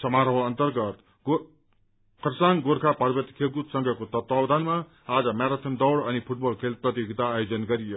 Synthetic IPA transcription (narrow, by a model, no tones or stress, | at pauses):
sʌmaɾʌɦoʌnt̪ʌrɡʌt̪ | ɡo | kʰʌrsaŋɡoɾkʰapaɾbʌt̪i̥kʰeɡut̪sʌŋɡʱʌkot̪ʌt̪wawd̪ʱanma | ad͡zʌmaɾat̪ʰʌnd̪ʌwɽʌnipʰuʈ̚bʌlkʰelprʌt̪joɡit̪aːjod͡zʌnɡʌɾijo